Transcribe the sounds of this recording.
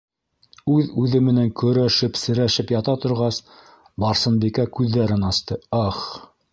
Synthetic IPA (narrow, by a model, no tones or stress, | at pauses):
ʉðʉðɘmɘ̆næŋkɵ̆ɾæʃɘpsɘ̆ɾæʃɘpjɑt̪ɑt̪ŏɾʁɑs | bɑɾsɤ̆nbikækʉðːæɾɘnɑst̪ɤɑχ